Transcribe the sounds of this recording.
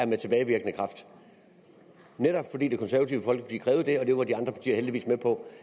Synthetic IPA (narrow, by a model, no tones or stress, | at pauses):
æɐmet͡sʰe̝b̥ɛːɪʋiɐɡ̥ənəkʰʁɑ̈fd̥ | neɾɒ̽b̥fɒdḭːd̥ekʰɒ̽nsæɐɐt͡sʰiʊəfɒ̽l̰ɡ̥̚b̥likʰʁɛːʊð̞̩ˠd̥e̝ɒ̽d̥e̝ʋɑ̈d̥iɑ̈nd̥ʁɐpʰɑ̈t͡sʰḭːɐɦeldiʋḭːsmepʰɒ̽